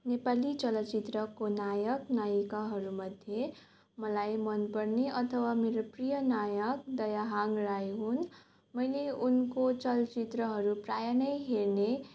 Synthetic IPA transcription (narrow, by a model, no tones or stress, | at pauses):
nepalit͡ʃʌlʌt͡ʃit̪ɾʌkonajʌknajikaɦʌɾumʌd̪ʱje | mʌlajmʌnpʌɾneʔʌt̪ʰʌwameɾoprijʌnajʌk̚d̪ʌjaɦaŋɡɾajɦun | mʌjleunkot͡ʃʌlt͡ʃit̪ɾʌɦʌɾupɾajanʌjɦeɾne